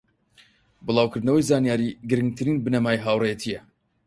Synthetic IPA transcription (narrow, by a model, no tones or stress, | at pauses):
bɨlˠaːwkʰɨɾd̪nɐwɐjzaːnjaːɾiɡɨɾɨŋɡt̪ʰɨɾiːnbɨnɐmaːjɦaːwrejet̪ʰijɛ